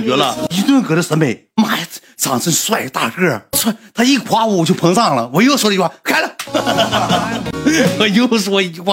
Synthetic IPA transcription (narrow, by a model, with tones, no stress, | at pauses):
ə˧˥lə˧i˧˥t̪wə˥˧nkɤ˧˥d̪ə˧˩sə˧˥me˨˩ɪma˥˩˥ | t͡sʰɑ˨˩ŋʂʰə˥ŋ˧swa˥˩ɪ˧t̪a̰˥˩ʈ͡ʂɤə˥˩swa˥˩t̪ʰa˥i˥˩xʰwa˧˥u˧˩˨t͡ɕjo˥˩ʊpʰɤ˧˥ŋt͡sɑ˥˩ŋlə˩wɔ˨˩jo˥ʊʂwɔ˧˥d̪ə˧˥xwa˥˩kʰa˥˩ɪlə˨˩ | ɔ˨˩jo˥ʂwɔ˥i˧˥˧wa˥˩